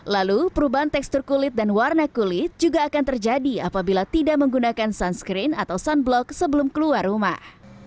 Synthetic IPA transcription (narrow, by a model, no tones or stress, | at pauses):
lalupəɾubaɦant̪ɛkst̪ʊrkulɪt̪̚danwarnakulɪt̪̚d͡ʒuɡaːkant̪ərd͡ʒadiapabilat̪idaʔməŋɡunakansanskɾɪnat̪awsanblɔksəbəlʊmkəluarːuma̰h